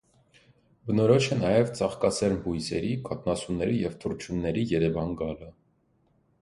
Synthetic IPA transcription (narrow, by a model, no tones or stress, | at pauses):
bənɔɾɔʃənɑjɛvt͡sɑχkɑsɛɾnbujsɛɾikʰɑt̪̚nɑsunːɛɾijɛvt̪ʰuɾt͡ʃʰunːɛɾijɛɾɛvɑnɡɑlə